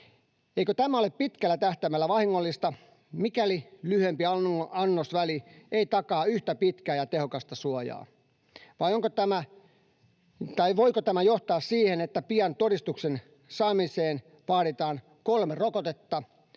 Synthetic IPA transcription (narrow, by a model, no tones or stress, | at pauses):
eikøt̪æmæoleppit̪kælːæt̪æht̪æʋmælːæʋɑhiŋːolːist̪ɑ | mikælilyhempiɑɑnːosʋælieit̪ɑkɑːyht̪æpit̪kæːjɑt̪ehokɑst̪ɑsuojɑ̰ː | ʋɑjoŋkot̪æmæ | t̪ɑiʋoikot̪æmæjoht̪ɑːssiːhenet̪ːæpiɑnt̪oɾist̪uksen | sɑːmiseːn | ʋɑːɾit̪ɑːn | kolmerokot̪et̪ːɑ